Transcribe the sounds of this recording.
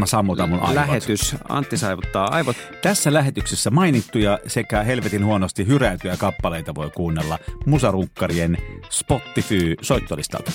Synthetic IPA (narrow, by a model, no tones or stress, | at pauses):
ɑsɑmːut̪ɑmunʔɑ̰læhet̪ysɑ̰nt̪ːisɑiʋut̪ːɑːɑ̰iʋot̪ | t̪æsːælæhet̪yksesːæmɑinit̪ːujɑsekæhelʋet̪inhuonost̪ihyræˑyt̪yjækɑpːɑleit̪ɑʋoikuːnːelːɑmusɑruŋkːɑrienspot̪ːifyːsoˑit̪ːolist̪ɑ̰lt̪ɑ̥